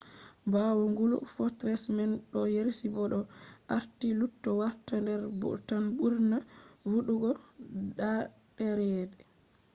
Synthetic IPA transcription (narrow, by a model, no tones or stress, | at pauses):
bawɔŋɡulufɔtɾɛsmɛnɗɔjeɾsibɔɗɔʔaɾtilutːɔwaɾtandɛɾbṵtanbuɾnawuɗuɡɔɗa | ɗɛɾɛːdɛ